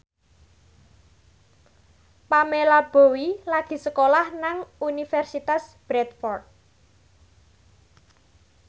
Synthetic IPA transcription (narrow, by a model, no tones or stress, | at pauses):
pamelab̥o̤wilaɡ̥i̤səkolahnaŋunifɛrsit̪asb̥ɾɛt̪̚fɔrt̪̚